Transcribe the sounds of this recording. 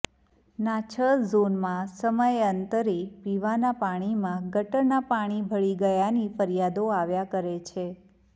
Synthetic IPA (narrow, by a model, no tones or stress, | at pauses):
nat͡ʃʰəlzonmãsəməjənt̪əɾipiʋanapaɽ̃imãɡəʈənapaɽ̃ibʱəɭiɡəjanifəɾijad̪oaʋjakəɾet͡ʃʰe